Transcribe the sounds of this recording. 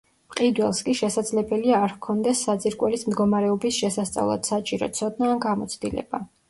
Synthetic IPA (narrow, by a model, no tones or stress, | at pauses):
pʼqʼid̪wɛlˠskʼiʃɛsad̪zlɛbɛliaːɾkʰɔnd̪ɛsːad̪ziɾkʼwɛlismd̪ɡɔmaɾɛɔbisʃɛsast̪sʼa̰vlˠa̰d̪̥sat͡ʃʼiɾɔ̰t̪sʰɔd̪naːnɡamɔt̪sʰd̪ilɛ̰ba